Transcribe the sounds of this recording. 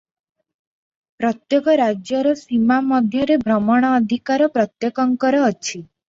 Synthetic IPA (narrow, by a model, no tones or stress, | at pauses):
pɾɔt̪jɔkɔɾad͡ʒjɔɾɔsimamɔd̪ʱjɔɾebʱɾɔmɔɽ̃ɔːd̪ʱikaɾɔpɾɔt̪jekɔŋkɔɾɔːt͡ʃʰi